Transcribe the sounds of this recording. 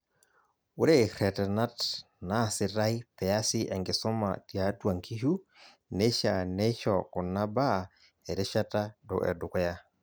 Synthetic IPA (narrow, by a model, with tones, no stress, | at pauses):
u˦ɾe˦˨ɾɛ˨tɛ˨na˦t | na˦˨sɪ˨ɾa˦jpɛ˨a˦sɪ˦ʔɛ˨ŋɡɪ˨sɔ˦ma̰˨ti˨a˨˦twa˨ŋkʰi˦ɦu˦ | ne˦ʃa˨nɛ˦ʃɔ˨kʊ˨na˦ba˦˨ | ɛ˨ɾɪ˦ʃa˦ta˦dɔ̰˨ʔɛ̰˨dʊ˨kɛ˦ja˦